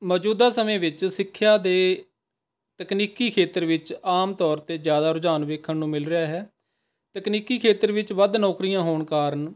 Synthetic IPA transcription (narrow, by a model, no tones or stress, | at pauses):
mɔːd͡ʒuːd̪aːsəmẽːʋɪt͡ʃsɪkʰːjaːd̪eː | t̪əkniːkiːkʰeːt̪əɾʋɪt͡ʃaːmt̪ɔːɾt̪eːzjaːd̪aːɾʊd͡ʒaːnʋeːkʰːəɳnũːmɪlɾɪaːɦɛː | t̪əkniːkiːkʰeːt̪əɾʋɪt͡ʃʋəd̪nɔːkɾijãːɦoːɳkaːɾən